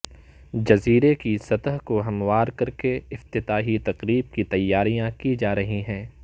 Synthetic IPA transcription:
d͡ʒɐziːɾekisɐt̪əɦkoɦɐmʋaːɾkɐɾkeɪft̪ɪt̪aːɦit̪ɐqɾiːb̚kit̪ɐjːaːɾijãkid͡ʒaːɾɐɦiɦɛ̃ː

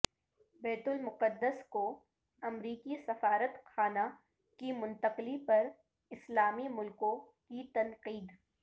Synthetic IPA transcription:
bɛːt̪ʊlmʊqəd̪ːəsko | ɐmɾiːkisɐfaːɾət̪xʰaːna | kimʊ̃nt̪əqlipɐɾ | ɪslaːmimʊlkõ | kit̪ɐnqiːd̪

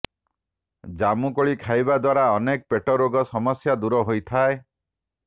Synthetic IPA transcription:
d͡ʒamukɔɭikʰajbad̪waɾaɔnek̚peʈɔɾoɡɔsɔmɔsjad̪uɾɔɦojt̪ʰae

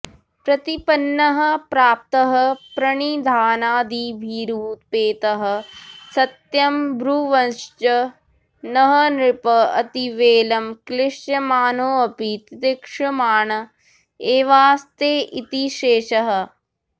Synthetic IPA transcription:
pɾɐt̪ipɐnːɐɦɐ̆pɾaːp̚t̪ɐɦɐ̆pɾɐɳid̪ʱaːnaːd̪ibʱiːɾuːt̪̚peːt̪ɐɦɐ̆sɐt̪jɐmbɾuʋɐnt͡ʃɐ | nɐɦɐnɾɪpɐɐ̰t̪iʋeːlɐmklɪʂjɐmaːnoːɐpit̪ɪt̪ɪkʂɐmaːɳɐ | eːʋaːst̪eːʔit̪iʃeːʃɐɦɐ̆

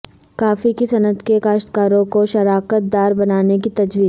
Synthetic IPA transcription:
kaːfikisɐnət̪kekaːʃt̪kaːɾõkoʃɐɾaːkət̪̚d̪aːɾbɐnaːnek̬it̪ɐd͡ʒʋiːz

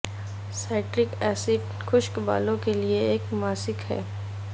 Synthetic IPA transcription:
saːɪʈɾɪkɛːsɪɖ | xʰʊʃkba̰ːlõkelieeːkmaːsɪkɦɛ̰ː

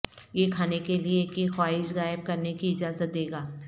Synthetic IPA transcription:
jekʰaːnekeliekixwaːɪʃɣaːɪb̚kɐɾnekiɪd͡ʒaːzət̪̚d̪eːɡaː

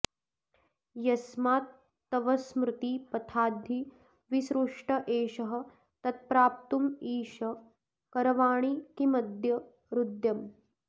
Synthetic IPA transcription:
jɐsmaːt̪ː | ɐʋɐsmɾut̪ipɐt̪ʰaːd̪ʱːi | ʋisɾuʂʈɐʔeːʃɐɦɐ̆ | t̪ɐt̪̚pɾaːp̚t̪umiːʃɐ | kɐɾɐʋaːɳ̃ikimɐd̪ʱjɐ | ɾud̪jɐm

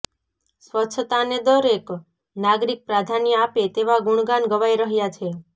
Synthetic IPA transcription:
sʋətːt͡ʃʰət̪aned̪ɔɾek | naɡɾik̚pɾad̪ʱanijəapet̪eʋaɡuɳ̃ɡanɡəʋajɾəɦjat͡ʃʰe

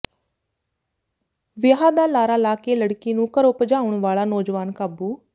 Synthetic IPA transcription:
ʋɪɦaːd̪aːlaːɾaːlaːkeːləɽkiːnũːkəɾʊpd͡ʒaːʊɳʋaːlaːnoːd͡ʒʋaːnkaːbuː

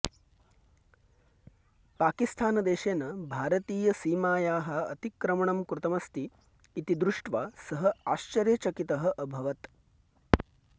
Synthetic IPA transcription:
paːkist̪ʰaːnɐd̪eːʃeːnɐbʱaːɾɐt̪iːjɐsiːmaːjaːɦɐ̆ɐ̰t̪ikɾɐmɐɳɐmkɾut̪ɐmɐst̪iː | t̪id̪ɾuʂʈʋaːsɐɦɐaːʃt͡ʃɐɾjet͡ʃɐkit̪ɐɦɐ̆ʔɐbʱɐʋɐt̪

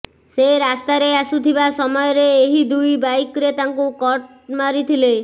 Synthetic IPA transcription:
seɾast̪aɾeasut̪ʰibasɔmɔjɔɾeːɦid̪ujbajkɾet̪aŋkukɔʈ̚ | maɾit̪ʰile

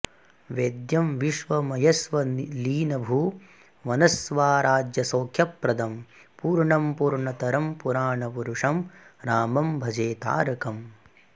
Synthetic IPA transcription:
ʋeːd̪jɐmʋiʂʋɐmɐjɐsʋɐliːnɐbʱu | mɐnɐsʋaːɾaːd͡ʒjɐsoːkʰjɐpɾɐd̪ɐm | puːɾɳɐmpuːɾɳɐt̪ɐɾɐmpuɾaːɳɐpuɾuʂɐmɾaːmɐmbʱɐd͡ʒeːt̪a̰ːɾɐkɐm

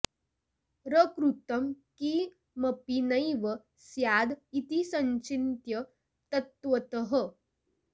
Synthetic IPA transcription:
ɾəkɾut̪əmki | məpinəjʋə | sjad̪it̪isəɲt͡ɕint̪jə | t̪ət̪ʋət̪əɦə

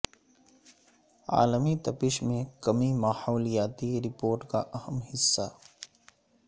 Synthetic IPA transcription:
a̰ːləmit̪ɐpɪʃmẽkɐmimaːhoːljaːt̪iɾɪpoːɾʈka̰ʔɐhəmhɪsːaː

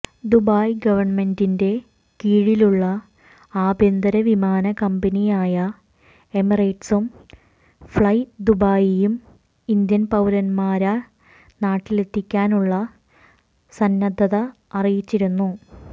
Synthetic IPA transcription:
d̪ubaːjɡɐʋɐrɳme̞ndinde̞ | kiːɻiluɭːɐ | aːbʱjɐnd̪ɐɾɐʋimaːnɐkɐmbɐnijaːjɐ | emirɐjʈsum | fɭɐjd̪ubaːjijum | ind̪jɐnpɐwlɐnmaːɾɐ | naːʈːile̞t̪ʰːikʲːaːnuɭːɐ | sɐnːɐd̪ʱːɐðɐ | ɐrijit͡ɕːiɾunːu

